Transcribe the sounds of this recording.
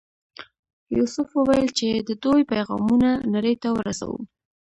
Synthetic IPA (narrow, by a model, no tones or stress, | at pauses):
jusʊfwəwajəlt͡ʃed̪əd̪ojpajɣɑ̰munanaɾəjt̪awəɾasa̰wṵ